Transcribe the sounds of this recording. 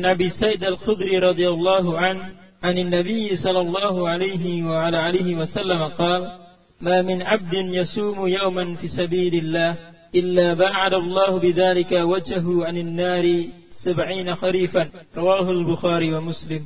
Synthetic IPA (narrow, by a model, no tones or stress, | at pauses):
anʔabiːsajd̪alxʊd̪ɾiːɾˤɑd̪ˤɨjɑlˤːɑːɦʊʕanʕanɪnːabɪjːɪsˤɑlːɑlˤːɑːɦʊʕalajɦɪwaʕalaʕalajhɪwasalːamaqɑːl | maːmɪnʕab̚d̪ɪnjasuːmʊjawmanfiːsabiːlɪlːaːh | ʔɪlːaːbaːʕad̪alˤːɑːhʊbɪðaːlɪkawad͡ʒhaɦʊʕananːaːɾɪ | sabʕiːnaxaliːfanɾˤɑwaːɦʊlbʊxaːɾiːwamʊslɪm